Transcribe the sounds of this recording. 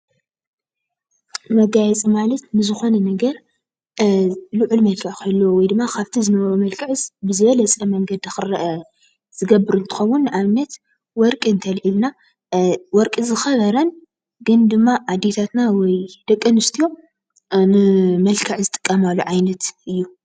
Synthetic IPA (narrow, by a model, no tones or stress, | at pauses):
mɐɡajɛt͡sʼimalɐt̪nɨzɨxo̞nɐnɐɡɐɾ | luʕulmɐlkʰɐʕkʰɐlːowɔjd̪ɨmːakʰaβt̪ʰizɨnɐβɐɾumɐlkʰɐʕɨzbɨzɨβɐlɐt͡sʼɐmɐŋɡɐd̪iɨxɨɾɐʔɐ | z̥ɨɡɐbɨɾɨnt̪ʰɨ̥xɐwːunːʔaβnɐt̪ | wɔɾkʼɨɨnt̪ʰɐlʔilna | wɔɾkʼizɨxɐβɐɾɐn | ɡɨnd̪ɨmːaʔad̪et̪ʰat̪nawɔjd̪̥ɐkʼːɨnɨst̪ʰijo̞ | nɨmɐlkʰɐʕzɨt̪ʼɨ̥kʼːɐmalːuʕajnɐt̪ɨjːu